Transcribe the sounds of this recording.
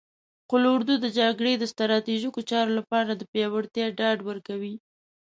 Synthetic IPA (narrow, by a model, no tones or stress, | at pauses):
qʊloʊɾd̪ud̪əd͡ʒaɡɽed̪əst̪ɾɑt̪iʒikot͡ʃɑɾolapɑɾad̪əpjɑwəɽt̪jɑɖɑɖwəɾkawi